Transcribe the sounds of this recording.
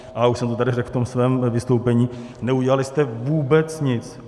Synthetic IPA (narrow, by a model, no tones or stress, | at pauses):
ʔauʃsɛmt̪ot̪adɪrɛkft̪omsvɛːmvɪst̪owpɛɲiːnɛuɟɛalɪst̪ɛvuːbɛt͡sɲɪt͡s